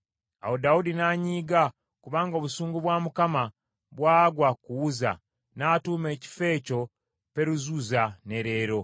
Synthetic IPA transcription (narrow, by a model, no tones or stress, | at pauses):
a̰wodaudinaːɲiːɡa | kuβaːŋɡo̞βusuːŋɡuβwaːmukama | βwaːɡwakuwuza̰ | naːtuːme̞ːci̥fe̞ːco̞ | pe̞ɾuzuzane̞ɾe̞ːɾo̞